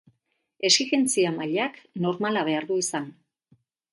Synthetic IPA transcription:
e̞siɣe̞nt͡siamaʎakno̞ɾmalaβ̞e̞aɾðuisan

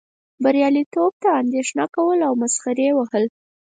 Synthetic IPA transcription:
baɾjɑlit̪ob̚t̪aːnd̪eʃnɑkawəlawmasxaɾewahəl

